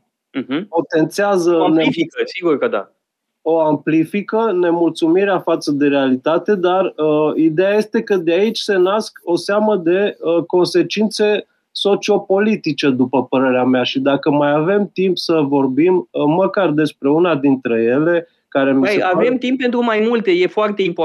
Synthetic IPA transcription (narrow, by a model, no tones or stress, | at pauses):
po̞t̪e̞nt̪siazənesiɡuɾkəd̪a̰ | oamplifikəne̞mult̪sumiɾeafat̪səd̪e̞ɾealit̪at̪e̞d̪arid̪ejaje̞st̪e̞kəd̪eait͡ʃʲse̞nasko̞seaməd̪e̞əko̞nse̞t͡ʃint̪se̞ | so̞t͡ʃio̞po̞lit̪it͡ʃe̞d̪upəpəɾe̞ɾeameaʃid̪akəmajave̞mt̪impsəvo̞rbiməːəkard̪e̞spɾe̞unad̪int̪ɾe̞je̞le̞ | kaɾe̞miseavemt̪imp̚pːe̞nt̪ɾumajmult̪ejefoart̪eimp